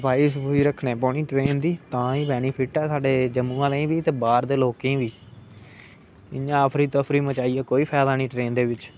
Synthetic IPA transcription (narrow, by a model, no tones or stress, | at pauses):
baːisbuiːɾəkʰneːp̬ɔːɳiːʈɾeːnd̪iːt̪ãːiːpɛːniːpʰɪːʈɛːsaːɖeːd͡ʒəmːũːãːleĩːʋiːt̪eːbaːɾd̪eːloːkẽːʋiː | ɪ̰ãːəpʰɾiːt̪əpʰɾiːmət͡ʃaːiːɛːkoːiːpʰɛːd̪aːniːʈɾeːnd̪eːʋɪt͡ʃ